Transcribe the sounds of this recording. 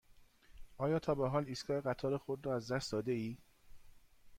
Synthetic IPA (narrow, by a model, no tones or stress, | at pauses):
ʔɒːjɒːt̪ʰɒːbeɦɒːliːskɒːjeɣæt̪ʰɒːɾexod̪ɾɒːæzd̪æst̪d̪ɒːd̪eiː